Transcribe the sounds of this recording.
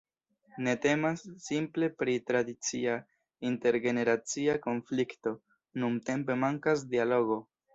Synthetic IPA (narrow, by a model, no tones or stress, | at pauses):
ne̞te̞masːimple̞pɾitɾadit͡sia | inte̞ɾɡe̞ne̞ɾat͡siako̞nflikto̞ | numte̞mpe̞maŋkasdialo̞ɡo̞